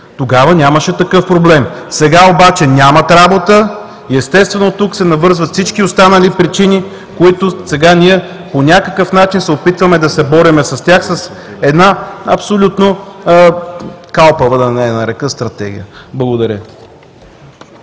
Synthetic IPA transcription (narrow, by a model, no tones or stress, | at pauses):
t̪oɡavənʲaməʃɛt̪ɐkɤfpɾoblɛmsɛɡaobat͡ʃɛnʲamɐt̪ɾabot̪ə | iɛst̪ɛst̪vɛnot̪uksɛnɐvɤɾzvət̪fsit͡ʃkiost̪anəlipɾit͡ʃini | koit̪ʊsɛɡanʲiɛ | ponʲakəkəfn̪at͡ʃinsɛopit̪vɐmɛd̪ɐsɛbɔɾimɛsɐst̪ʲjaxsɐs | ɛd̪naɐpsolʲut̪no | kalˠpəvəd̪ɐnɛnɐɾɛkəst̪ɾɐt̪ɛ̰ɡʲḭjəblˠɐɡʊd̪ɐɾʲə